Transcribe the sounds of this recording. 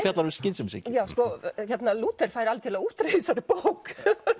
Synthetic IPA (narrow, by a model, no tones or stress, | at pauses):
fjɛt̪laɾʏscɪnsʏmsḭcjawskɔçɛt̪naluːt̪ɛɾ̥fajɾalcɛɾlut̪ɾeisaɾɪpowk